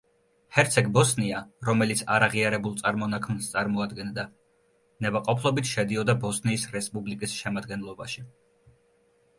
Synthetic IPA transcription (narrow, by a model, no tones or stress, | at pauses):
hɛɾt̪sʰɛɡbɔsniaɾɔmɛlit̪sʰa̰ɾaʁiaɾɛbulˠt̪sʼaɾmɔnakʰmnst̪sʼaɾmɔad̪ɡɛnd̪a | nɛbaqʼɔpʰlˠɔbit̪ʰʃɛd̪iɔd̪abɔsniːsɾɛspʼublikʼisʃɛmad̪ɡɛnlˠɔbaʃi